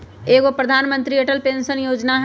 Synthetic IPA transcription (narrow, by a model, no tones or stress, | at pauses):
eːkopɾəd̪ʱaːnmə̃nt̪ɾieʈəlpẽːnsənjoːd͡ʒnaɦ